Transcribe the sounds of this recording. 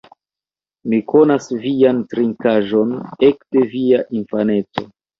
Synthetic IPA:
mikʰo̞nasviantɾiŋkaʒo̞ne̞kte̞viaʔinfane̞t͡so̞

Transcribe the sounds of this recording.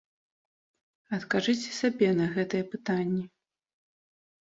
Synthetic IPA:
ɐt̪kaʐɨt͡sʲɛ̥sabʲɛnɐɣɛt̪ɨjɛpɨt̪anʲːɛ

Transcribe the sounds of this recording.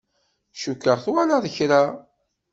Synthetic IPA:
ʃukːəʁθwalaðəçɾa

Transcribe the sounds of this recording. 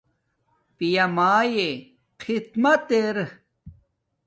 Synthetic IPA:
pijɐmaːje | qʰit̪mɐt̪eɾ

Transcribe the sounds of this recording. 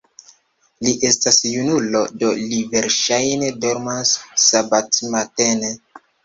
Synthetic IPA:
liʔe̞stasjunulo̞do̞live̞ɾʃajne̞doɾmasːabatmatene

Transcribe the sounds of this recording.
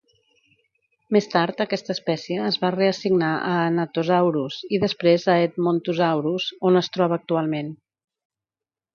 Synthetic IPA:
mest̪aɾt̪əkɛst̪əːspɛsiəːzβareəsiɡnaʔəːnət̪ozawɾuziðəspɾezəet̪̚mont̪uzawɾuzonəst̪ɾɔβəːk̚t̪ualˠmen

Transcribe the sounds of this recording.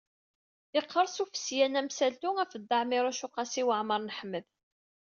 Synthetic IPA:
ɪqʰːəɾˤsufə̥sjænæmsælt̪uæfəd̪ːɑʕmɪɾˤæʃʊqɑsiwəʕməɾˤnəħmːəð

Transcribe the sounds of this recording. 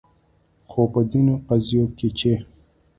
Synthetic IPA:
xopəzinoqazijoket͡ʃe

